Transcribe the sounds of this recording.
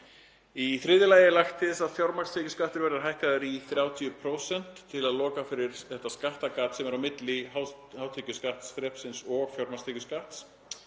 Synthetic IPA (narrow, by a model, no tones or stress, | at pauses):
iθɾɪðɪlaːjɪlajxt̪ɪðsaðfjoɾmḁst̪ʰeːcʏ̥skaht̪ʏɾvɛɾðʏɾɦajhkaðʏɾiθɾjawt̪ʰiʏpʰɾoːwsɛn̥t̪ʰːɪlaðlɔːkafɪɾɪɾ̥θɛht̪ːaskaht̪akaːt̪sɛmɛɾawmɪt̪lɪhaw | haːwt̪ʰɛcʏskaht̪sfɾɛpsɪnsɔɣfjɔwɾmast̪eːcʏskaht̪s